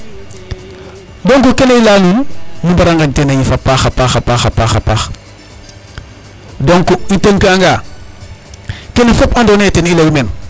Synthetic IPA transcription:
doŋkukeneilaːnulmimbaɾaŋɡantenejifapːaxapaxapaxapaxa̰pax | doŋkuintəŋkiaŋɡaː | kenefopandoːneːtenilɐwumen

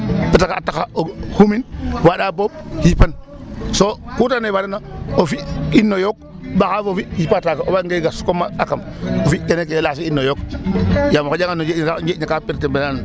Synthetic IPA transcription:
pitakaatːakaohuminwaɗabobhipan | sokutanewadanaofiinːojok̚ | ɓakavofihipatakaobaŋɡeɡasu̥komaakam | ofienekelasiinːojokjamokod͡ʒaŋanod͡ʒeaeɲakapiɾtembenan

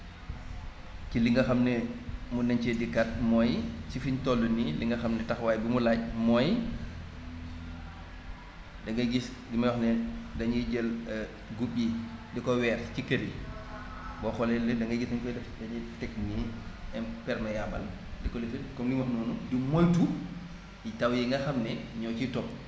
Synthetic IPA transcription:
ciliŋɡɐxɐmnɛmunɐɲt͡ʃɛdikat̚mɔjsifiɲtɔlːuniliŋɡɐxɐmnɛtɐxwaːjbimulaːc̚mɔj | dɐŋɡɐɡis | dimɐjɔxnɛdɐɲiɟɛl | ɡuɓidikɔwɛːɾcikɐɾi | bɔxɔlɛldɐŋɡɐɡisɐɲfɛdɛdɐɲitɛk̚niɛmpɛɾmɐjabɐ̰l | dikɔlifinkɔmlimɐxnɔnudimɔjtu | itawjiŋɡɐxamnɛɲɔt͡ʃitɔp̚

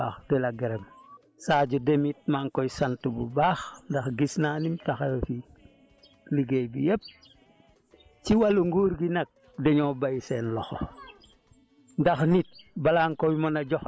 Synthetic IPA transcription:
axdɛlaɡeɾem | saːɟudemit̚maŋkojsantububaːxndaxɡisnaːnimtaxajofi | liɡejbijep̚ | t͡ʃiwaluŋɡuːɾɡinak̚ | deɲobajseːnlɔxo | ndaxnit̚balaːŋkowmonaɟɔx

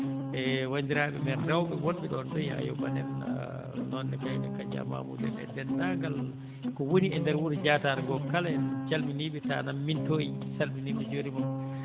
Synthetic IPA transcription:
ʔɛwandiɾaːɓɛmɛnrawɓɛwɔnɓɛɗɔndɛja̰jɔ̰banɛ̰n̰ | nɔndɛkajnakad͡ʒa̰ma̰mṵdɛ̰nɛ̰dɛndaɡal | kɔwoniɛndɛɾwuɾd͡ʒataɾɡɔkalad͡ʒalminiɓɛtanamːintoisalminiɓɛd͡ʒoɾimam

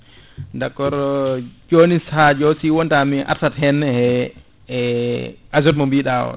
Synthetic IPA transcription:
ndakːɔɾɔd͡ʒonishad͡ʒɔsiwɔntamiʔa̰ɾtathɛnːɛhɛ | azɔtmɔmbiɗawɔ̰

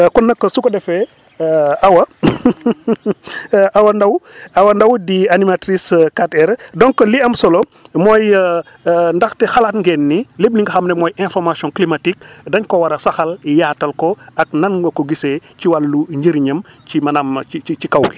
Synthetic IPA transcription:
kɔnːɐkːəsukɔdɛfɛ | ɐwɐ | ʔawɐndɐwɐwɐndɐwdianimatɾiskatɛɾdɔŋkːliɐmsɔlɔmɔːj | ndɐxtɛxalaːtŋɡɛnːilebniŋɡɐxɐmnɛmɔːjɛ̃nfɔrmasijɔ̃nklimatik̚dɐɲkɔwɐɾɐsɐxɐlijaːtɐlkɔɐk̚nɐnɡɔkɔɡisɛciwalːuɲɟəɾɲɐmcimɐnamiit͡ʃikawɡi

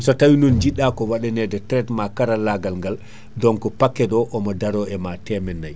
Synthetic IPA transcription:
sɔtawinund͡ʒiɗːakɔwaɗɛnɛdɛtɾɛtmakaɾalːaɡalŋɡal | dɔŋkɔpakːɛdɔʔɔmɔdaɾɔɛmatɛmɛnːaj

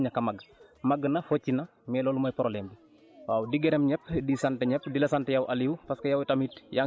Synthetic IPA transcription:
ɲakɐmaɡmaɡːnɐfocːinɐ | mɛːloːlumajpɾolɛːmbi | waːwdiɡɛɾɛmɲɛpdisantɛɲɛpdilɐsantɛjawʔaliwpaskɐjawtamitja

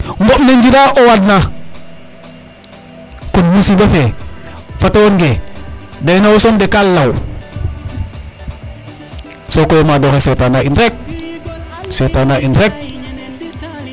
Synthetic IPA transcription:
ŋɡopneɲd͡ʒilaʔowadna | kunmisibafe | fatawonɡedajnawosondekalːaw | sokojomadoxesetanainɾek̚ | setanaʔinɾek̚

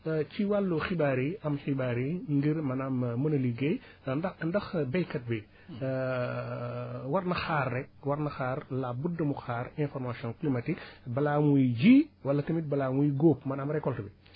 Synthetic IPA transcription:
ciwalːuxibaːɾiɐmxibaːɾiŋɡiɾmɐnaːmːunɐliɡej | dɐndɐxbɛjkɐt̚bɛ | wɐɾnɐxaːrːɛk̚wɐɾnɐxaːɾlabudːɐmuxaːɾɛ̃nfɔɾmasɔnklimɐtikbɐlaːmujɟiːwɐlːɐtɐmit̚bɐlaːmujɡoːpmɐnaːmɾɛkːɔltɐbi

